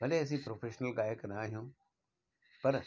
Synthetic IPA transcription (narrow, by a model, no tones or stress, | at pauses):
bɐleɐs̬ĩpɾoːfeːʃnəlɡaːjəknɐaːɦijũː | pɐɾ